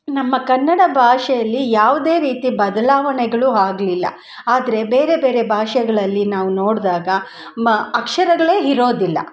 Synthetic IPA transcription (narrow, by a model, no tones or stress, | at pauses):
nɐmːɐkɐnːɐɽɐbʱaːʂɛjɐlːijaːʋud̪e̞ːɾiːt̪ibɐd̪ɐlaːʋɐɳɛɡɐɭuɦaːɡlilːɐ̰ | aːd̪ɐɾe̞be̞ːɾe̞be̞ːɾe̞bʱaːʂɐɡɐɭɐlːinaːʋunoːɽd̪aːɡɐ | ɐkʂɐɾɐɡɐɭe̞ːɦiɾo̞ːd̪ilːɐ̰